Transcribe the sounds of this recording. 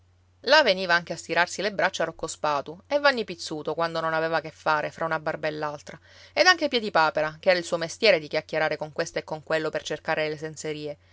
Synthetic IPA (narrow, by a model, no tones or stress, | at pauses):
laveniːvaaŋkeast̪iɾarsilebɾat͡ʃːarokːospaːt̪uevːanːipit̪sːuːt̪okwand̪ononaveːvakefːaːɾefɾʔaunabarbaelːalt̪ɾaed̪aŋkepjɛd̪ipaːpeɾakeɛːɾailsuːomest̪jɛːɾed̪ikʲjakːeɾaːɾekoŋkwest̪oekːoŋkwelːopert͡ʃerkaːɾelesenseɾiːe